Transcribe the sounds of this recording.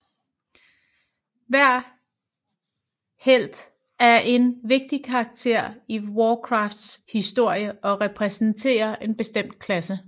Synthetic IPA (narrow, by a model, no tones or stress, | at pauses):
ʋæɐ̰ | hel̰d̥ | æɐʔe̝nʋe̝ɡ̥̚d̥ikʰɑ̈ːɡ̥̚t͡sʰe̝ɐ̰iwɒːkʰʁɑ̈fd̥shisd̥o̝ɐ̰jəɒ̽ʁɛpʰʁɛsn̩t͡sʰe̝̰ːɐʔe̝nb̥e̝sd̥em̰d̥̚kʰlæsə